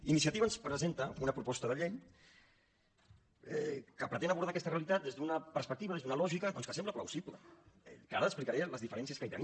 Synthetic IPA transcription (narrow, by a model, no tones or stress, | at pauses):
inisiət̪iβənspɾəzent̪əunəpɾupɔst̪əðəʎeʎ | ɛkəpɾət̪enaβuɾðakɛst̪əreəlit̪at̪̚d̪ezðunəpəɾspək̚t̪iβɐðezðunəlɔʒikəd̪ɔnskəsɛmbləplawsiβlə̰ɛkaɾəəsplikaɾeləzðifəɾɛnsiəskait̪ə̰ni